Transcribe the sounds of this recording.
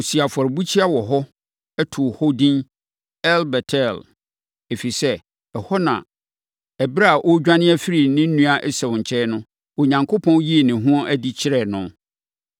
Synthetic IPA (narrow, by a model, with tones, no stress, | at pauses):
ʊ˨si˨a˨fɔ˨ɾbu˦t͡ɕʰi˦a˦wɔ˨ɦɔ˦ | ɛ˦tʰʊ˨hɔ˦dĩ˦n | ɛ˦lbɛ˨tʰɛ˦˨l | e˨fi˨sɛ˦ | ɛ˨hɔ˦nã̰˨ | ɛ˨bɾa˦a˨ʔɔ˦d͡ʑᶣã˦nɪ̃˦æ˦fi˦ɾi˨nɪ̃˦n̩˦nũ˦a˦ʔɛ˦sɛ˨ʊ̃˨ɲ̩˨t͡ɕʰɛ˦nʊ̃˦ | o˨ɲã˨ŋkʰo˦pʰɔ̃˦n˦ji˦e˨nɪ̃˨ɦũ˦ɔ˦ʔæ˦di˦t͡ɕʰɪ˦ɾɛ˨nʊ̃˨